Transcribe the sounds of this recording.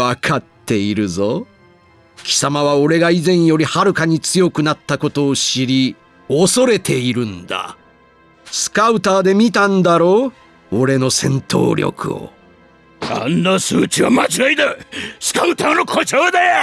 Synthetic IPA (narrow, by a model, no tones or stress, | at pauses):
akʰat̪ʰːe̞iɾɯ̟zo̞ | kʲi̥samaβao̞ɾe̞ɡaizẽ̞ɰ̃jo̞ɾʲihaɾɯ̟kaɲ̟it͡sɨjo̞kɯ̟nat̪ːako̞t̪o̞ːɕiɾʲi | oso̞ɾe̞t̪ʰe̞iɾɯ̟̃nd̪a̰ | sɨ̥kaɯ̟t̪aːd̪e̞mʲit̪ãnd̪aɾo̞ː | oɾe̞no̞sẽ̞nt̪o̰ːɾʲjo̰kʰɯ̟̰o̰ | a̰nːasɨːt͡ɕiβamat͡ɕiaid̪esɨ̥kaɯ̟t̪aːnokʰot͡ɕoːd̪ej